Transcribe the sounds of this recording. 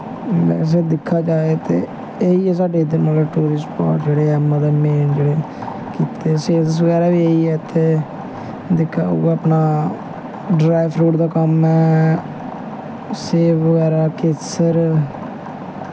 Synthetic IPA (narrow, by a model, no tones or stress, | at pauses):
bɛ̰ːs̬eːd̪ɪkʰːaːd͡ʒaːeːt̪ḛː | eiːɛːs̬aːɖeːɪd̪ənməlaːʈuːɾɪspa̰ːʈd͡ʒeːɽeːɛːmãd̪eːmeːnd͡ʒeːɽeː | kiːt̪eːseːd̪əs̬ʋəɡɛːɾaːʋiːeiːɛːt̪ʰːeː | d̪ɪkʰːa̰ːṵɡaːəpnaː | ɖɾaːɪpʰɾuːʈd̪aːkəmɛː | seːfʋəɡɛːɾaːkesəɾ